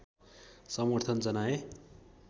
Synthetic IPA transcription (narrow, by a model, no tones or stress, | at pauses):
sʌmoɾt̪ʰʌnd͡zʌnae